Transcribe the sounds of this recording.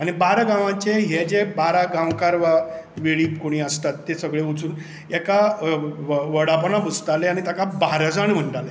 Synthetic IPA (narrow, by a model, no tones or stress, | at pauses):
aɽ̃ibaɾaɡãʋãt͡ɕeɦed͡ʑebaɾaɡãwkaɾʋa | ʋeɭiːkoɽ̃iːəst̪at̪ːesəɡɭeut͡suːn | ɛka | ʋəɽapənabut͡st̪aleaɽ̃it̪akabaɾd͡zaɳm̤əɳɖale